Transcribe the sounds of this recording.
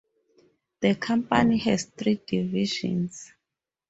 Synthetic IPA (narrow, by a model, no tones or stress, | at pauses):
ð̥əkʰãmpanihɛzθridiviʃɔ̰̃ns